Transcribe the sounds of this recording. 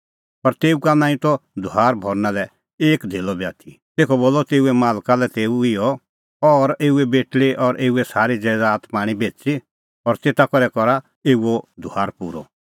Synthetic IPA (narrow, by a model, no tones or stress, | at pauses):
pɐɾt̪eːukanãːĩt̪ɔd̪ʱuɦaːɾbʱɔɾnalɛ | eːkd̪ʱeːlɔba̰ːt̪ʰi | t̪eːkʰɔboːlɔt̪eːuɛmaːlkalɛt̪eːuɪjɔ | ɔɾeːuɛbeːʈleʔɔɾʔeːuɛsaːɾid͡zɛːd͡zaːt̪paːɽ̃ibeːt͡si | ɔɾt̪eːt̪akɔɾɛkɔɾa | eːuɔd̪ʱuaːɾpṵːɾɔ̰